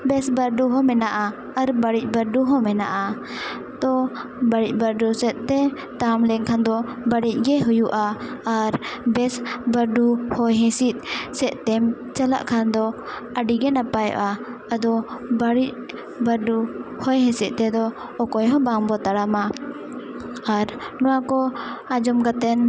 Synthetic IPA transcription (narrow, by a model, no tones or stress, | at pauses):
bɛsbəɾɖuɦɔmɛnaʔaː | ɾbaɽic̚ˀbəɾɖuɦɔmɛna̰ʔa | t̪ɔbaɽic̚ˀbəɾɖusɛt̪̚ˀt̪ɛ | t̪amlɛŋkʰand̪ɔbəɽic̚ˀɡɛɦujuʔaːɾbɛsbəɾɖuhɔjɦɛ̃sit̪̚ˀsɛʔt̪ɛm | t͡ʃala̰ʔkʰand̪ɔ | aɖiɡɛnapajɔ̰ʔa | ad̪ɔbaɽic̚ | bəɾɖuhɔjɦɛ̃sɛʔ̪̚ˀt̪ɛd̪ɔː | kɔjɦɔ̃baŋbɔt̪aɽama | aɾ | nɔwakɔad͡ʒɔmkat̪ɛn